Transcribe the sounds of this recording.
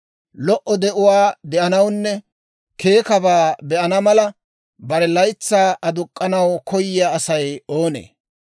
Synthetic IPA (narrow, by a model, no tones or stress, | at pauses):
lɔʔɔd̪ɛʔʊwaːd̪ɛʔɐnɐwnːɛ | ke̞ːkɐbaːbɛʔɐnɐmɐlɐ | bɐɾɛlɐjt͡sːaːʔɐd̪ʊkʼːɐnɐwkɔjɪjaːɐsɐjoːnḛː